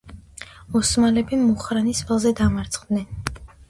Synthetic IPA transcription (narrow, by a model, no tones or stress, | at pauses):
ɔsmalɛbimuχɾanisvalˠzɛd̪amaɾt̪sʰʼqʼd̪nɛn